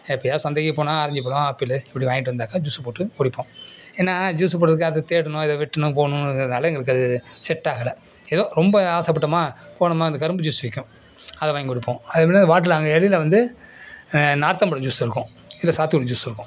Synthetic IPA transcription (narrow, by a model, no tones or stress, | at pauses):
ɛpːɐjaːsɐnd̪eːɣipoːnãːɐɾɐɲd͡ʒɯpoːɽʊ̃aːpːilɐɪpːɐɽiʋaːɪʈːɯʋɐnd̪aːkad͡ʒuːspoːʈːɯkɔɽɪpːõːeːnːaːd͡ʒuːsp̬oːʈːrɐðɯkːɐðɐt̪eːɽɐnʊ̃ɪðɐʋɪʈːɐnʊ̃p̬oːɳʊ̃nɐlːɐɛŋɡɐɪɾɯk̬ːɐðɯsɛʈːaːɣɐlɐ | ɛðõːɾɔmbɐaːsɐp̬ːɐʈːɐmaː | poːɳɐmaːɐnd̪ɐkɐɾɯmbɐd͡ʒuːsʋɪkʲːʊ̃ | ɐðɐʋaːjŋɡɔɽɪpːõːɐðɐmɐnːnd̪ɐʋaːʈ̬ːɯlɐɐŋɡɐɛɭɪlɐʋɐnd̪ɯ | naːɾt̪ɐmbɐɽɐd͡ʒuːsɪɾɯkːʊ̃ | ɪlːɐsaːt̪ɪkɔɽɐd͡ʒuːsɪɾɯkːʊ̃